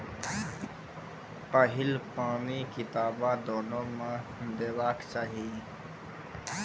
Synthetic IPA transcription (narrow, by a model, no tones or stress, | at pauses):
pəɦɪlpaːniːkɪt̪aːbaːd̪oːnoːmãd̪eːʋaːkt͡ʃaːɦiː